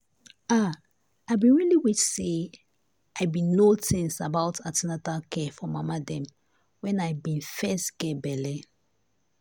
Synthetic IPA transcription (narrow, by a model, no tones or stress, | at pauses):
a | aɪbĩnɹiliwit͡ʃse | aɪbĩnotĩŋsabaʊtʰatinatakɛfɔmamadɛ̃m | wɛ̃naɪbĩnfɛstɡ̥ɛbɛlɛ